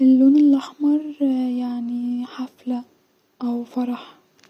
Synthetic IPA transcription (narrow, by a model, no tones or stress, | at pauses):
ʔɪlːoːnɪlʔaħmɑɾˤjaʕniħafla | ʔawfɑɾˤɑħ